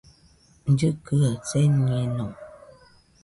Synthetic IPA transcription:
n̩d͡ʒɨkəət͡sɛɛnɔ

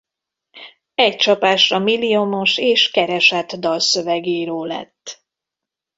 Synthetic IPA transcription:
ɛc̚t͡ʃɒpaːʃrɒmilːiomo̞ʃeːʃkɛɾɛʃat̪d̪ɒlsøvɛɡeɾoːlɛ̰t̪ː

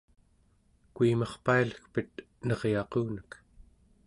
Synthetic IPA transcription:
kuimɑχpailəxpət̪̚ | nʌʁjɑquːnək

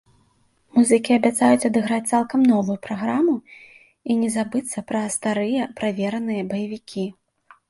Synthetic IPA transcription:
muzɨkʲiɐbʲat̪sajut͡sʲɐd̪ɨɣɾat͡sʲt̪salˠkɐmnɔvujupɾaɣɾamu | inʲɛzabɨt̪sːɐpɾɐst̪aɾɨjɐpɾavʲɛɾɐnɨjɐbɐjavʲikʲʰi

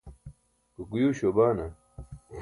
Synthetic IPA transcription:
kukujuːɕobaːnɐ

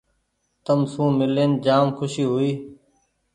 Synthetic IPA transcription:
t̪əmsũːmɪleːnd͡ʒaːmkʰʊʃiːɦʊiː

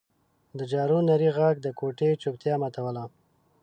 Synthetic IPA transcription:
d̪əd͡ʒɑɾunaɾiɣaɡ̚d̪əkoʈet͡ʃok̚t̪jɑmat̪awəla

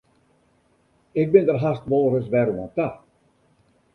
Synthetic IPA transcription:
ɪk̚bɪndərɦastʋolːˠrəsʋɛɾuanta

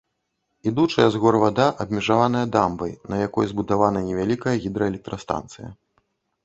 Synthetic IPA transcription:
id̪ut͡ʂɐjɛzɣɔrvad̪aʔɐbʲmʲɛʐavanɐjɐd̪ambɐ̰jnɐjakɔjzbud̪avanɐnʲɛvʲalʲikɐjɐɣʲid̪ɾɐɛlʲɛk̚t̪ɾɐst̪a̰nt̪sɨjɐ̰

